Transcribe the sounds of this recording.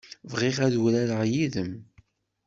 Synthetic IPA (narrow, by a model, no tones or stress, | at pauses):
vʁiʁæðwɾæɾəʁjiðəm